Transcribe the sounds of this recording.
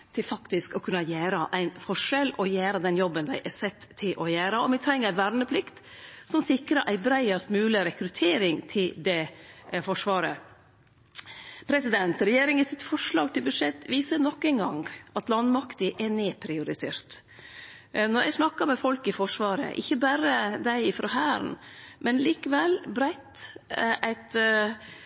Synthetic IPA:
t̪ʰɪlfɑkt̪ɪskɔkʰʉnːɑjæːɾəʔæɪnfɔʂɛlɔjæːɾəd̪ɛnjɔbːənd̪æɪʔɛsɛt̪ʰːɪlʔɔjæːɾəɔʋɪt̪ʰɾɛŋːəɾʋæɾnəpʰlɪkt̪ | sɔmsɪkɾəɾʔæɪbɾæɪɑst̪mʉːlɪɾɛkɾʉt̪ʰeːɾɪŋt̪ʰɪld̪ɛfɔʂʋɑːɾə | pʰɾɛsɪd̪ɛnt̪ɾɛjeːɾɪŋɪsɪt̪fɔʂlɑːɡt̪ʰɪlbʉd̪ʂɛt̪ːʋiːsənɔkːɛnɡɑ̰ŋʔɑt̪lɑnmɑkt̪ɪʔɛneːpʰɾɪʊɾɪt̪ʰḛːɾt̪ | nɔɾʔæ̰ɪsnɑkːɑmɛfɔlkɪfɔʂʋɑːɾə̰ʔɪ̰çːəbæɾəd̪æɪɪfɾɑhæːɾn | mʔɛnliːkəʋɛlbɾæɪt̪ʔæɪt̪

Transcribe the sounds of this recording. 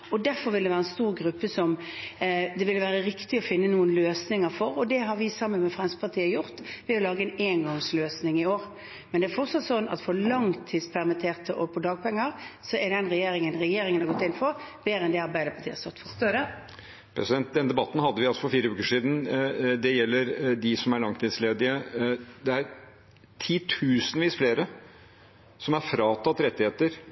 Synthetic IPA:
ɔd̪æɾfɔɾʋɪld̪ɛʋæːɾɛnst̪uːɾɡɾʉpːəsɔm | d̪ɛʋɪlːʋæːʁəɾɪkt̪ɪɔfɪnːənuːənløːsnɪŋəɾfɔɾɔd̪ɛɦɑɾʋɪsɑmːənmɛfʁɛnspɑt̪ʰiːəjʊɾt̪ʋɪɔlɑːɡəɛneːnɡɔŋsløːsnɪŋɪoːɾ | mɛnd̪ɛæɾfɔɾt̪sɑt̪sɔnːɑ̰t̪fɔɾlɑŋt̪ʰiːd̪spʰæʁmɪt̪ʰeːʁt̪əʔɔpʰɔd̪ɑːɡ̚pʰɛŋːəɾsɔɛɾɛnʁɛjeːɾɪŋənʁɛjeːɾɪŋənhɑɾɡɔt̪ːɪnːfɔɾb̥eːɾəɛnd̪ɛɑɾbæɪd̪əpʰɑt̪ʰiːst̪ɔʁt̪fɔ | pʰɾɛsɪd̪ɛnt̪̚d̪ɛnd̪ɛbɑt̪ːn̩hɑd̪ːəʋɪɑlsɔfɔɾfiːɾəʉːkəʂiːd̪n̩d̪ɛjɛlːəɾd̪ɪsɔmæɾɭɑŋt̪ʰiːd̪sleːd̪ɪəd̪ɛæɾ | t̪ʰiːt̪ʰʉːsənʋiːsfleːɾə | sɔmæɾfɾɑːt̪ʰɑt̪ːɾɛt̪ːɪheːt̪əɾ

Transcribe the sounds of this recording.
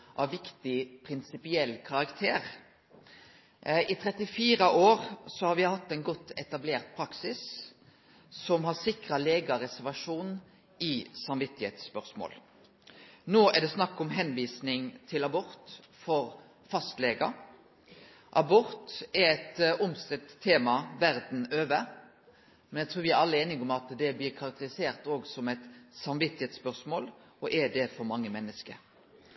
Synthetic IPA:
ʔɑʋɪkt̪ɪpʰɾɪnsɪpɪɛlːkʰɑʁɑkt̪ʰeːɾ | ʔɪt̪ʰʁɛt̪ɪfiːɾəʔoːʁsɔhɑɾʋɪhɑt̪ːɛɪnɡɔt̪ːɛt̪ɑbleːʁt̪̚pʰɾɑksɪs | sɔmhɑsɪkʁɑleːɡɑɾɛsæʁʋɑʂuːn | ɪsɑmʋɪt̪ːɪhḛːt̪spœʁsmo̰ːl | noːɛd̪ɛsnɑkːɔmɦɛnʋiːsnɪŋt̪ʰɪlɑbɔɾt̪ | fɔɾ | fɑst̪leːɡɑ̰ | ʔɑbɔɾt̪ɛɾɛt̪ɔmsk̪ʁɪt̪t̪ʰeːmɑʋæɾd̪n̩øːʋə | mɛnjæɡt̪ɾuːɾʋɪæɾɑlːəeːnɪɡɔmɑt̪d̪ɛblɪɾkʰɑɾɑk̚t̪əɾɪseːɾt̪oːɡsɔmɛɪt̪sɑmʋɪt̪ːɪheːt̪spœʁsmoːl | ɔʔɛd̪ɛfɔɾmɑŋːəmɛnːəskə̰ɾ

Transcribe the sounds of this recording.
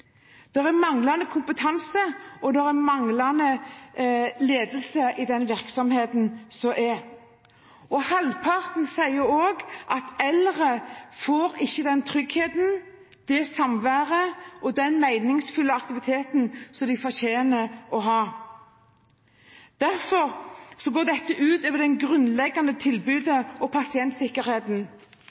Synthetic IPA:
d̪̥ɛɾæmɑŋlɑnəkʰʊmpət̪ʰɑnsəɔd̪ɛɾæmɑŋlɑnə | leːd̪əlsəʔɪd̪ɛnʋɪɾksɔmheːt̪n̩sɔʔɛ | ɔhɑlpʰɑʁt̪n̩sæɪəɾoːɡʔɑt̪ɛlʁəfoːɾɪçːəd̪ɛnt̪ʰɾʏɡheːd̪n̩ | d̪̥ɛsɑmʋæːʁəʔɔd̪ɛnmæɪnɪŋsfʉlːəɑkt̪ɪʋɪt̪ʰeːt̪nsɔmd̪ɪfɔʁçeːnəɔɦɑː | d̪̥æʁfɔɾsɔɡoːd̪ɛt̪ːəʔʉːt̪øːʋəd̪ɛŋɡʁʉnlɛɡːɑnd̪ət̪ʰɪlbʉːd̪əɔpʰɑsɪɛnt̪sɪkːəɾheːt̪n̩

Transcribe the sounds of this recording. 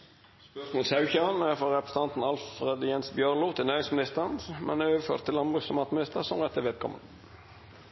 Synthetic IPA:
smoːlsɑʉçənæfɔɾɛpɾəsə̥t̪ɑnt̪n̩ɑlfɾɛd̪jɛnsbjœʁlʊt̪ʰɪlnæːɾɪŋsmɪnɪst̪əʁənmɛ̰nɛøːʋəfø̰ːɾt̪ʰːɪlɑnbʁʉsɛmɑːt̪mɪnɪst̪əʁsɔmʁɛt̪ʰːɪʋɛːd̪̚kʰɔ̰mə̰n

